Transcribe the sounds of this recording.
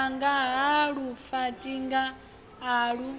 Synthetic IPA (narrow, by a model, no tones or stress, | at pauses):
ŋɡaɦaɺufatʼiŋɡaː | ɺu